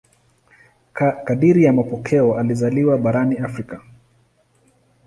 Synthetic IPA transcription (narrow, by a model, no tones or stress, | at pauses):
kaɗiɾijamapɔkʰɛɔalizaliwaɓaɾaniafɾika